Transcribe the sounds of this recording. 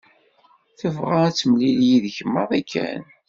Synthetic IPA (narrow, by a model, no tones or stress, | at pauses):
θəvʁaæt͡sːəmliljiðçəmːəðˤækʰːæ̰n